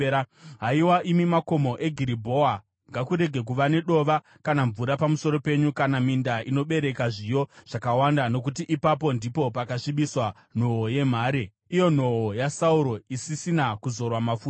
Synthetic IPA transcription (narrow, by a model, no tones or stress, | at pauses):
ɦaiwaʔimimako̞mo̞ʔe̞ɡʱiɾibʱo̞a | ŋɡakuɾe̞ɡʱe̞k̬uʋane̞ɗo̞ʋa | kanaɱvuɾapamuso̞ɾo̞pe̞ɲukanamindaino̞ɓe̞ɾe̞kaʐijo̞ʐ̥akawandano̞k̬utiʔipap̬o̞ndipo̞pakaʂiɓiswa | n̤oɦoje̞m̤aːɾe | ijo̞n̤o̞ɦojasauɾo̞isisinakuzo̞rwamafuːt